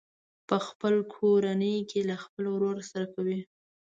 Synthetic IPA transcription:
pəxpəlkʰoɾanəjkʰelaxpəlwɾoɾsaɾakawi

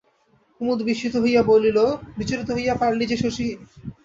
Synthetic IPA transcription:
umud̪biʃːit̪oɦojabolilobit͡ɕoɾit̪oɦojapaɾlid͡ʑeʃoʃi

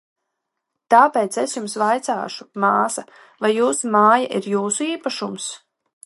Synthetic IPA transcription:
t̪aːpeːt̪sesjumsvajt̪sa̰ːʃumaːsa | vajːuːsumaːja̰ʔiɾjuːsuiːpaʃums

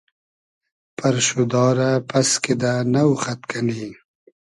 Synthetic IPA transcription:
pʰaɾʃud̪ɑːɾapasked̪anawuxat̪kʰani

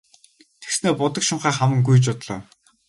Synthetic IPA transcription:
t̪ʰe̥ksneːpʊt̪ə̆kʃʊɴχæːχawə̆ŋɡujt͡ɕʊt̪ɮɔ̰ː

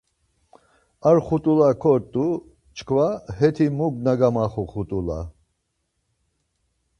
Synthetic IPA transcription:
aɾχut̪ʼulakʰɔɾt̪ʼu | t͡ʃkʰvahɛt̪ʰimuɡnaɡamaχuχut̪ʼula̰

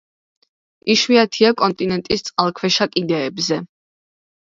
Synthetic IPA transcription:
iʃwiat̪ʰiakʼɔnt̪ʼinɛnt̪ʼist̪sʼqʼalˠkʰwɛʃakʼid̪ɛːbzɛ

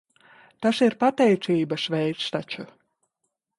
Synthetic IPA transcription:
t̪asiɾpat̪ɛjt̪siːbaʃʋɛjt̪st̪at͡ʃu

